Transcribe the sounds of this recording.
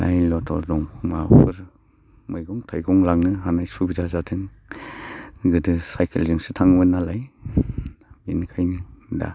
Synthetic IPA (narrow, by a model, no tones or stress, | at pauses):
lʔa̰jlɔtʰɔ̰ɾdɔŋmapʰɯɾ | mɯjɡɔŋtʰajɡɔŋlaŋnɯɦanajsubizazatʰɯŋ | ɡɯdɯsajkʰelzɯŋsɯtʰaŋbɯnalaj | binkʰajnɯda̰